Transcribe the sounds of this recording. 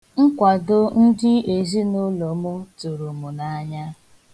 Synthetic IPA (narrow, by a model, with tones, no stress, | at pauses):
ŋ̩˦kʷa˨dʊ˦n̩˦dɪ˦e˨zi˦no˦lo˨mʊ˦tʊ˨ɾu˨mʊ˨na˦ɲa˦